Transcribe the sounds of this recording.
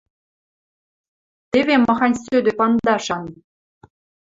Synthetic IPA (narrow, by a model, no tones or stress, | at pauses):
t̪eβemɑxɑnʲsød̪ĕpɑnd̪ɑʃɑn